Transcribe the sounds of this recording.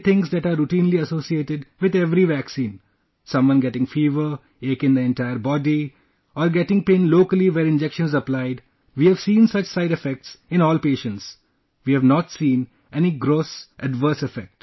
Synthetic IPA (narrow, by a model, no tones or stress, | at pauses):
t̪ʰɪ̃ŋsd̪æʈaːɾːuʈĩːnliɐsoːsieːʈɪɖʋɪd̪ɛʋɾiʋæksĩːn | sʌ̃mʋʌ̃nɡɛʈɪ̃ŋfiːʋəɾ | eːkɪ̃ŋd̪əɛ̃nʈaɪəɾbɔːɖi | ɔːɾɡɛʈɪ̃ŋpẽːnloːkəliʋɛɾɪ̃nd͡ʒɛkʃə̃nzəplaɪɖ | ʋiːæʋsĩːnsʌt͡ʃsaɪɖɛfɛk̚ʈsɪ̃nɔːlpeːʃə̃nʈs | ʋiːæʋnɔːʈsĩːn | ɛniɡɾoːsʔɛɖʋəɾsɛfɛk̚ʈ